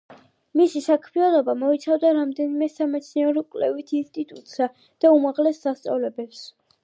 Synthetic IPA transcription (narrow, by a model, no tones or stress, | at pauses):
misisakʰmianɔbamɔit̪sʰavd̪aɾamd̪ɛnimɛsamɛt̪sʰniɛɾɛkʼlɛ̰vit̪ʰinst̪ʼit̪ʼut̪ʼsa | d̪̥aumaʁlɛsd̪ast̪sʼa̰vlɛbɛps